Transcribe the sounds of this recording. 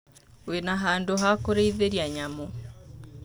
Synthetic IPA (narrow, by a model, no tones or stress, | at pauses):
wenaɦaːndoɦakoɾeiðeɾiaɲamo